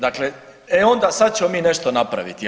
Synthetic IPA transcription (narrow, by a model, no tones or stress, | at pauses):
d̪akleeo̞nd̪asad̪̚t͡ɕemomiːne̞ʃt̪o̞napɾa̰ʋḭt̪i